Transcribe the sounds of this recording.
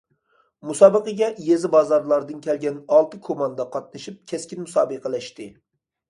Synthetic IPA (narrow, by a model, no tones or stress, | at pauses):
musɑːbəqəɡʲɛjezɪbɑzɑɾlˠɑɾd̪ɨnkʲʰɛlɡʲɛnɑlˠt̪ɨkʰomɑnd̪ɑqʰɑt̪̚nɨʃip̚kʲʰɛskʲinmusɑːbɨqʰəlɛʃt̪ɪ